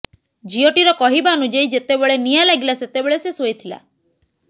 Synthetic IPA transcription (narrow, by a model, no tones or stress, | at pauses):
d͡ʒiɔʈiɾɔkɔɦibaɔnud͡ʒaid͡ʒet̪ebeɭenijalaɡilaset̪ebeɭesesojt̪ʰila̰